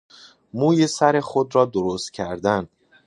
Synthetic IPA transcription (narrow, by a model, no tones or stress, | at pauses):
muːjesæɾe̞xod̪ɾɒːd̪oɾost̪̚cʰæɾd̪æn